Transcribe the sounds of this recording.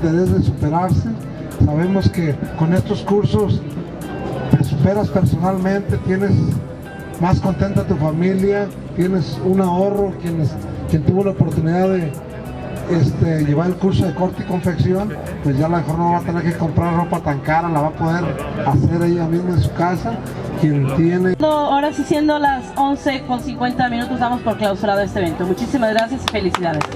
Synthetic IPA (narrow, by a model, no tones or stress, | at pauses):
d̪eðezðesupe̞ɾaɾse | saβe̞mo̞ske̞ko̞ne̞st̪o̞skuɾso̞s | t̪esupe̞ɾaspe̞ɾso̞nalmẽ̞nt̪e̞t̪je̞ne̞s | masko̞nt̪e̞nt̪at̪ufamilja | t̪je̞ne̞sunao̞ro̞kjeneskje̞nt̪uβo̞laopo̞ɾt̪uniðaððe̞ | est̪eʝe̞βaɾelkuɾso̞ðe̞ko̞ɾt̪iko̞ɱfeksjo̞n | pwe̞zʝjalamexo̞ɾnoβaβat̪e̞ne̞ɾke̞ko̞mpɾaɾropat̪aŋkaɾalaβapo̞ðe̞ɾase̞ɾaiamizmoensu̥kasa | kje̞nt̪je̞ned̪ooɾasisje̞nd̪olasonse̞ko̞nsiŋkwe̞nt̪amĩnut̪o̞zβamo̞spoɾklawsuɾaðoest̪eβe̞nt̪o̞mut͡ʃisimazɣɾasjasife̞lisiðaðes